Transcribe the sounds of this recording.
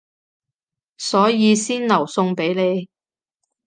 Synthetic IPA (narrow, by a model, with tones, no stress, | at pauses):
sɔː˨˥jiː˨˧siː˥nnɐ˨˩wsʊ˧ŋpe˨˥jle˨˧j